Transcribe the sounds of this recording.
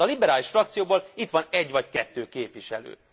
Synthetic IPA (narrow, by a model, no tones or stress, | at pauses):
ɒlibɛɾaːliʃfrɒkt̪sijoːboːlit̪ʋɒnɛɟːʋɒckɛt̪ːøːkeːpʋiʃɛ̰lø̰ː